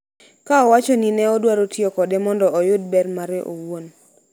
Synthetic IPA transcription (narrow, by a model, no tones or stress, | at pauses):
kaɔwat͡ʃɔninɛɔdwaɾotiokɔdɛmɔndɔɔjʊd̚bɛrmaɾɛeʔo̰won